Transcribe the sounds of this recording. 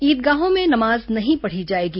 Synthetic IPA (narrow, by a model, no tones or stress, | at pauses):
iːt̪̚ɡaːɦõmẽnɐmaːznɐɦĩpɐɽ̤id͡ʒaːeːɡiː